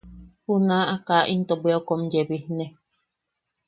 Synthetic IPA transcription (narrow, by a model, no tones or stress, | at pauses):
hunãʔakaʔint̪obweokomd͡ʒeβihne